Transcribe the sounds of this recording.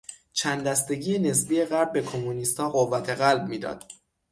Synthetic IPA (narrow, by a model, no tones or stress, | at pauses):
t͡ʃʰænd̪æst̪e̞ɟiːjene̞sbiːje̞ɣæɾb̚ːe̞kʰomunist̪hɒːɢovːæt̪ʰe̞ɣælb̚miːd̪ɒ̰ːd̪̥